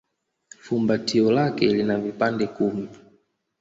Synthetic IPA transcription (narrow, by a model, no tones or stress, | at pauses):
fumbatiɔlakɛlinavipandɛkumi